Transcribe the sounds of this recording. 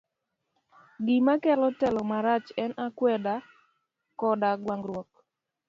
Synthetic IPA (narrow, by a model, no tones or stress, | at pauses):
ɡimakɛlɔtɛlɔmaɾat͡ʃɛnakwɛda | kɔdaɡwaŋɡɾwɔk̚